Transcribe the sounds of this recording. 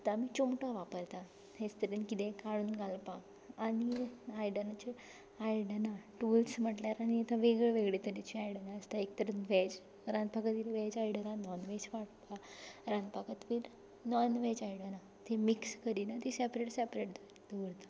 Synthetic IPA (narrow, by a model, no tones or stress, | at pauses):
t̪amiːt͡ɕumʈãʋapəɾt̪a | ɦẽst̪əɾinkit̪ẽkaɽuːnɡalpa | aɽ̃iajɽənat͡ɕe | ajɽənaʈulsm̤əʈljaɾaɽ̃iːt̪ʰaʋeɡɭeʋeɡɭet̪əɾit͡ɕiajɽənaəst̪aek̚t̪əɾunʋɛd͡ʑ | ɾãnd̪pakət̪ʋilʋɛd͡ʑajɽənãnɔnʋed͡ʑʋaʈpaɾãnd̪pakət̪ʋil | nɔnʋet͡ɕajiɽəna | t̪ʰemikskəɾinat̪isepɾeʈsepɾeʈd̪o | d̪oʋɽt̪ḁ